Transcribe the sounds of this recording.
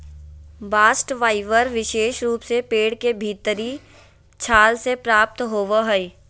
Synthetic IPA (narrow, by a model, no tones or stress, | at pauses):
baːsʈʋaːɪʋəɾʋɪʃeːʃɾuːpsepeːɽkebʱiːt̪əɾi | t͡ʃʰaːlsepɾaːp̚t̪ɦoːʋaɦəi